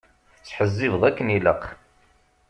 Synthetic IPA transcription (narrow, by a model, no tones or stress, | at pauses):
θət͡sːħəzːɪvðækːəniləq